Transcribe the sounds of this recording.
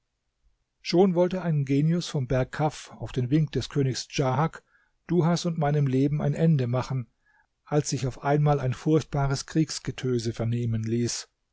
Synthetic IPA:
ʃoːnvɔltəʔaɪnɡeːnjʊsfɔmbɛɐkʰːafaʊfd̥eːnvɪŋk̚d̥ɛskʰøːnɪçsd͡ʒaɦak | d̥uɦasʊntmaɪnəmleːbm̩a̰ɪnʔɛndəmaχn̩ | ʔalsz̥ɪçaʊfʔaɪnmaːlaɪnfʊɐçt̚b̥aːʁəskʁ̥iːksɡ̥ətʰøːzəfɛɐneːmənliːs

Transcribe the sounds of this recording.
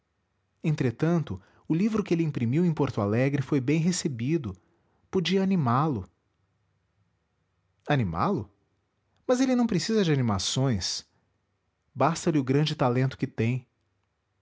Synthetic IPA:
ẽnt̪ɾet̪ɐ̃nt̪ʊ | ʊlivɾʊkɪelɪĩpɾimiwẽj̃poɾt̪ʊalɛɡɾɪfojbẽj̃ɦesebid̪ʊ | pod͡ʒiɐanimalʊ | anima̰lʊ | mɐzelɪnɐ̃w̃pɾesizɐd͡ʒɪanimasõj̃s | bast̪ɐlɪʊɡɾɐ̃nd͡ʒɪt̪alẽnt̪ʊ̥kɪt̪ẽj̃

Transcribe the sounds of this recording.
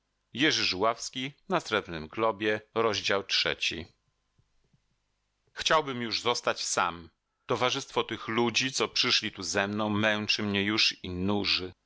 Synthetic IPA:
jɛʐɘʐuwafskʲinasɾɛbnɘmɡlɔbʲjɛɾɔʑd͡ʑawtʂɛ̰t͡ɕḭ | xt͡ɕawbɘmjuʐzɔst̪at͡ɕsa̰m | t̪ɔvaʐɘst̪fɔt̪ɘxlud͡ʑit̪sɔpʂɘʂlʲit̪uzɛmnɔ̃w̃mɛw̃t͡ʂɘmɲɛjuʂinuʐɘ

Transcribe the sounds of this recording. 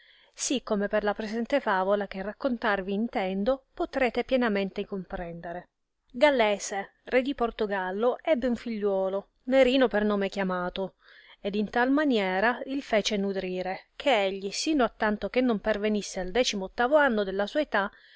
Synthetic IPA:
sikːomeperlapɾezɛnt̪efaːvolak̟erːakːont̪arviːnt̪ɛnd̪opot̪ɾɛːt̪epjɛnament̪ekompɾɛnd̪eɾe | ɡalːeːse | red̪iport̪oɡalːoʔɛbːeuɱfiʎːwɔːlo | neɾiːnopernoːmek̟jamaːt̪o | ed̪int̪almanjɛːɾailfɛːt͡ʃenud̪ɾiːɾek̟ʰeeʎːisiːnoat̪ːant̪ok̟enːompervenisːeald̪ɛːt͡ʃimoːt̪ːaːvoanːod̪elːasuːaet̪a

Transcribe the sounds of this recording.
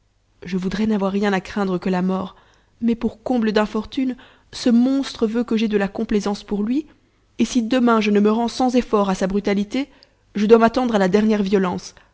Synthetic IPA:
ʒəvud̪ʁɛnavwaʁːjɛ̃nakχɛ̃d̪ʁəkəlamɔːʁ | mɛpuʁkɔ̃bləd̪ɛ̃fɔʁt̪yn | səmɔ̃st̪χəvøkəʒɛd̪əlakɔ̃plezɑ̃spuʁlɥi | esid̪əmɛ̃ʒənəməʁɑ̃sɑ̃zefɔʁasabʁyt̪alit̪e | ʒəd̪wamat̪ɑ̃d̪ʁalad̪ɛʁnjɛʁvjɔlɑ̃s

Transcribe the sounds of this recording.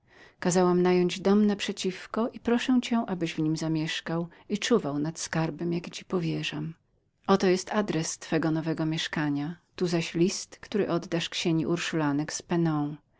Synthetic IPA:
kazawamnajɔɲd͡ʑd̪ɔmnapʂɛt͡ɕifkɔʔipɾɔʂɛw̃t͡ɕɛ̃ʔabɘʑvɲimzamʲjɛʂkaw | it͡ʂuvawnat̪skaɾbɛmjakt͡ɕipɔvʲjɛʐam | ʔɔt̪ɔjɛst̪ad̪ɾɛst̪fɛɡɔnɔvɛɡɔmʲjɛʂkaɲat̪uzaɕlʲist̪kt̪uɾɘʔɔd̪ːaʂkɕeɲiʔuɾʂulanɛkspɛnɔ̃w̃

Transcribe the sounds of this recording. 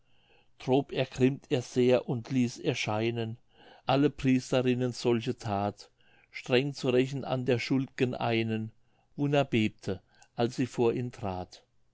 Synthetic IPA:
d̥ʁoːpɛɐkʁ̥ɪmtʰeːɐz̥eːɐʔʊntʰliːsɛɐʃaɪnən | ʔaləpʁ̥iːstɐʁɪnənz̥ɔlçətʰaːt | ʃtʁ̥ɛŋt͡suʁɛçn̩a̰ndeːɐʃʊldɪɡ̥ənʔa̰ɪnən | vʊnɐbeːp̚tʰə | ʔalsz̥iːfoːɐʔiːmtʁ̥aːt

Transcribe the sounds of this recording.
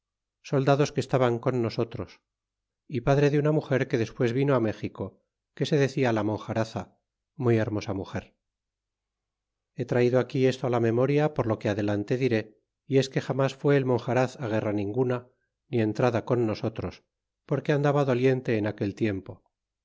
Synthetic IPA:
so̞ld̪aðo̞skest̪aβaŋko̞nːo̞so̞t̪ɾo̞s | ipaðɾe̞ðeunamuxe̞ɾke̞ðe̞spwe̞zβino̞ame̞xiko̞ | ke̞se̞ðe̞θialamõ̞ŋxaɾaθa | muje̞ɾmo̞samuxe̞ɾ | e̞t̪ɾaiðoakie̞st̪oalame̞mo̞ɾjapo̞ɾlo̞keað̞e̞lant̪e̞ðiɾe̞ | ie̞ske̞xamasfwe̞ːlmo̞ŋxaɾaθaɣ̞e̞ranĩŋɡuna | nie̞nt̪ɾaðako̞nːo̞so̞t̪ɾo̞s | po̞ɾkeand̪aβaðo̞lje̞nt̪e̞ːnake̞lt̪je̞mpo̞

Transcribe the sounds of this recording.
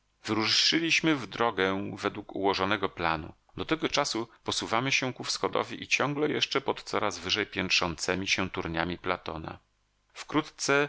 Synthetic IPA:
vɘɾuʂːɘlʲiɕmɘvd̪ɾɔɡɛvɛd̪wukṵwɔʐɔnɛɡɔplanṵ | d̪ɔt̪ɛɡɔt͡ʂasupɔsuvamɘɕɛ̃kufsxɔd̪ɔ̰vʲiʔit͡ɕɔŋɡlɛjɛʂt͡ʂɛpɔt̪t̪sɔɾazvɘʐɛjpʲjɛnkʂɔnt̪sɛmʲiɕɛ̃t̪uɾɲamʲiplat̪ɔna̰ | fkɾut̪t̪sɛ

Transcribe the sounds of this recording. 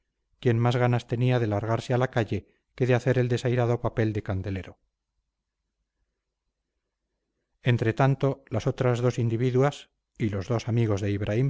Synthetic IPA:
kje̞nmazɣanast̪e̞niaðe̞laɾɣaɾsealakaʝe̞ | ke̞ðeaθe̞ɾeld̪e̞sajɾaðo̞pape̞ld̪e̞kand̪e̞le̞ɾo̞ | e̞nt̪ɾe̞t̪ant̪o̞laso̞t̪ɾazðo̞sind̪iβiðwas | ilo̞zðo̞samiɣ̞o̞zðe̞iβɾʔaim

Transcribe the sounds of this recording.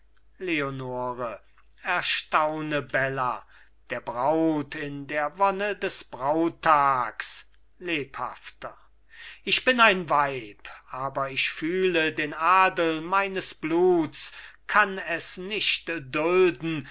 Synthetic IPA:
leonoːʁə | ɛɐʃtaʊnəbɛlɐ | d̥eːɐbʁaʊtʰɪndeːɐvɔnədɛsb̥ʁaʊtʰːaːks | leːpha̰ftɐ | ʔɪʃb̥ɪnaɪnvaɪpʔaːbɐɪçfyːlədeːnʔaːdəlmaɪnəsb̥luːtskʰanɛsnɪʃtdʊldn̩

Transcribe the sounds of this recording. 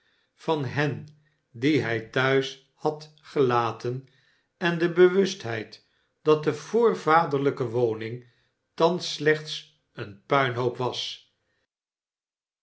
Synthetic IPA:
vfɑnɦɛn | diɦɛjtœɥs | hɑt | χəlaːtən | ɛndəbəʋʏstɦɛjt | d̥ɑt̚dəv̥oːɹvaːdəɹləkəʋownɪŋ | tɑnslɛχts | ənpœɥnɦowpʋɑs

